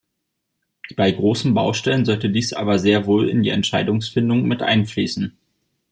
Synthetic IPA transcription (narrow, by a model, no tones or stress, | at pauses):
b̥aɪɡʁoːsn̩baʊʃtɛlənzɔltədiːsʔa̰ːbɐzeːɐvoːlɪ̰ndiːɛ̰ntʃaɪdʊŋsfɪndʊŋmɪtʔa̰ɪnfliːsn̩